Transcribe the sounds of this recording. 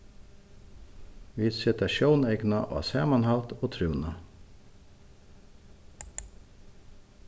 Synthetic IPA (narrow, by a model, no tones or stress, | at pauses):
ʋiːsɪt̪ɑʃuːneɪɡnɑʔo̰ːɑ̰sæːmɑnhɑlt̪ʰoːt̪ʰɾʉːnɑ